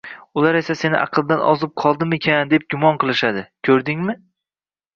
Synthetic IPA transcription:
ʊlaɾe̞sase̞nɪʔɑ̰qʰɨlˠd̪anʔɒ̰zɪp̚qʰɒlˠd̪ɪmekʲʰand̪e̞p̚ɡʲʊmɒnqɨlˠɪʃad̪ɪkʲʰɵɾd̪ɪŋmɪ

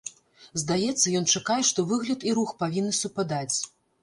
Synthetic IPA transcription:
zd̪ajɛt̪sːɐjɔnt͡ʂakajɛʂt̪ɔvɨɣlʲɐt̪iɾuxpavʲinːɨsupad̪at͡sʲ

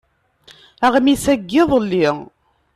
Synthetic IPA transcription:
æʁmisæɡːɪðˤəlːi

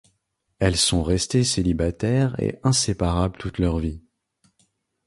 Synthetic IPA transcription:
ɛlsɔ̃ʁɛst̪eselibat̪ɛʁḛʔɛ̃sepaʁablt̪ut̪lœʁvi

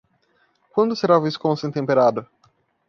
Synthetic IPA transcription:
kwɐ̃nd̪ʊseɾaviskõsʊẽt̪ẽmpeɾad̪ʊ

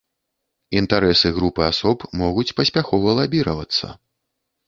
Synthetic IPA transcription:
int̪aɾɛsɨɣɾupɨasɔpmɔɣut͡sʲpɐsʲpʲaxɔvɐlˠabʲiɾɐvɐt̪sːɐ̰

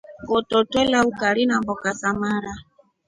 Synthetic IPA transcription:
kɔtɔtwɛlaukaɾinambɔkasamaɾa

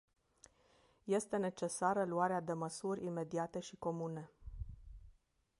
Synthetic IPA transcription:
je̞st̪e̞ne̞t͡ʃe̞saɾəluaɾead̪e̞məsurʲime̞d̪iat̪e̞ʃiko̞mune̞

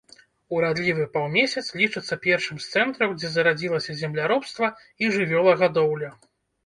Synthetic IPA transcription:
uɾad̪lʲivɨpawmʲesʲɐt̪slʲit͡ʂɨt̪sːɐpʲɛrʂɨmst̪sɛnt̪ɾɐwd͡zʲɛzɐɾad͡zʲilˠɐsʲɐzʲɛmlʲaɾɔpst̪vɐ | iʐɨvʲɔlˠɐɣad̪ɔwlʲɐ

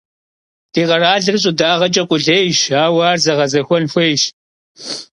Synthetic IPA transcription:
d̥iːʁɐɾaːɮɨrɨɕ̬ʼʊdaːʁɐt͡ʃʼɐqʷʼʊɮeːjʃaːwɑːrzɐʁɐzɐxʷɔnxʷeːjʃ

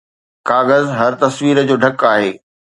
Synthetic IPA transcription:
kaːɣəzɦɐɾt̪ɐsʋiːɾəd͡ʑoːɖʱɐkaːɦeː

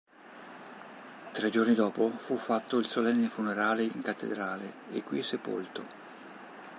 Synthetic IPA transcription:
t̪ɾed͡ʒornid̪ɔːpofufːat̪ːoilsolɛnːefuneɾaːleiŋkat̪ʰːḛd̪ɾaːle | ḛkːwisepo̰lt̪o

